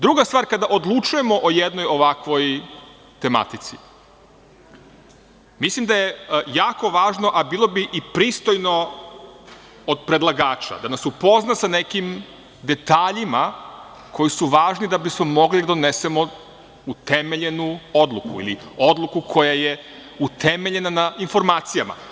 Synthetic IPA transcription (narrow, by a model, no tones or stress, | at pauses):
d̪ɾuɡast̪ʋaːɾkad̪aʔo̞d̪lˠut͡ʃuje̞mo̞ʔojed̪no̞jo̞ʋakʋo̞j | t̪e̞ma̰t̪it̪si | mislimd̪aje̞jaːko̞ʋaːʒno̞ʔabiːlˠo̞biʔipɾiːst̪o̞jno̞ | od̪̚pɾe̞d̪lˠaɡaːt͡ʃa̰d̪anasupo̞znasane̞kim | d̪e̞t̪aːʎima | kʰo̞jisuʋaːʒnid̪abismo̞mo̞ɡlid̪ad̪onese̞mo̞ | ut̪eme̞ʎe̞nuo̞d̪lˠukuḭlio̞d̪lˠukukʰo̞jaje̞ | ut̪ʰemeʎe̞nanainfo̞ɾmaːt̪sijama̰